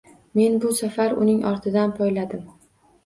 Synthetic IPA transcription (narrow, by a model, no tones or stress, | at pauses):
me̞nbʊsafaɾʊ̰nɪŋʔɒɾt̪ʰɪd̪anpʰɒjlad̪ɪm